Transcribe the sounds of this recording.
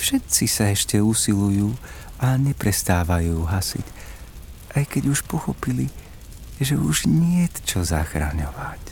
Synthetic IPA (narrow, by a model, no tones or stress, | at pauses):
fʃɛt̪t͡sisaɛʃcɛusilujuːʔaɲɛpɾɛst̪aːʋajuːɦasḭc | ʔajkɛɟuʃpɔxɔpili | ʒɛuʒɲɪɛtt͡ʃɔza̰xɾa̰ɲɔʋac